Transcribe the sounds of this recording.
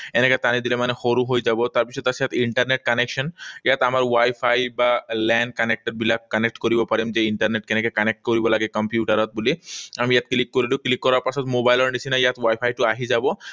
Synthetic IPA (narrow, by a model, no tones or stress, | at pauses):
enɛkɛt̪anid̪ilɛmanɛxoɾuɦojd͡ʑabɔt̪aɾpisʰɔt̪asijat̪iɳʈaɾneʈ̚kanekʃɔnjat̪amaɾwajpʰajbalɛnɖ̚kanek̚ʈed̚bilakːanek̚ʈkoɾibɔpaɾimd͡ʑeiɳʈaɾneʈ̚kɛnɛkɛkanek̚ʈkoɾibɔlaɡɛkɔmpjuʈaɾɔt̪̚buliamijat̪̚klikːoɾiluklikːɔɾaɾpasɔt̪mobajlɔɾɖit͡ɕʰinajat̪wajpʰajʈuaɦid͡ʑabɔ